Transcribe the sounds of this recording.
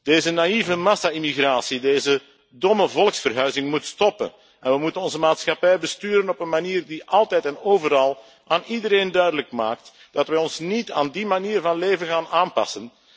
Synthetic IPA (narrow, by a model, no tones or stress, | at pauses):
d̥eːzənaivəmɑsaimiɣraːsideːzə | dɔməvɔlˠksfərɦœɥzɪŋmutstɔpə̰n | ɛnʋəmutənɔnzəmaːtsxɑpɛjbəstyːɾənɔpənmaniːrdiʔɑlˠtɛjtɛnoːvəɾɑlˠ | ʔaːnidəɾeːndœɥdələkmaːk̚t | d̥ɑtʋɛɔnsnita̰ːndimaniːrvɑnleːvənɣaːnaːnpɑ̰sən